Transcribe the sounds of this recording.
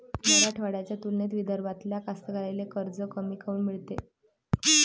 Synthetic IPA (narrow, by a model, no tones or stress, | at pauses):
məɾaʈʰʋaɽjat͡ɕjat̪ulnet̪ʋid̪ʱəɾʋat̪ljakast̪əɡaɾajlekəɾd͡zəkəmiːkʰəuːnmiɭt̪e